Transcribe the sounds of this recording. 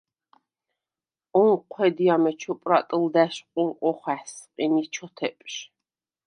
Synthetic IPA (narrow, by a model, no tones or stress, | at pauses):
ɔnqʷʰwɛd̪iamɛt͡ʃʰɔpʼɾat̪ʼəld̪æʃqʼuɾqʼɔχæħsqʼinit͡ʃʰɔt̪ʰɛpʼʃ